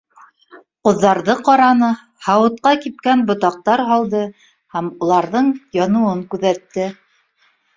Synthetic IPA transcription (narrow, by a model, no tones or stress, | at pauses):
qŏðːɑɾðɤqɑɾɑnɤ | hɑwɤ̆t̪̚qɑkip̚kænbŏt̪ɑq̚t̪ɑɾɦɑlˠd̪ɤ | hæmulˠɑɾðɤɴjɑnŭɤŋkʉðæt̪ːɘ